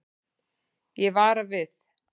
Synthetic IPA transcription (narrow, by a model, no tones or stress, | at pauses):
jɛvaːɾavɪθ